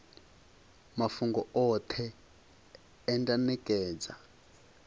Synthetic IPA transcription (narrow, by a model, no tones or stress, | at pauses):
mafuŋɡɔɔt̪ʰɛ | ndʼanɛkʼɛːd͡za̰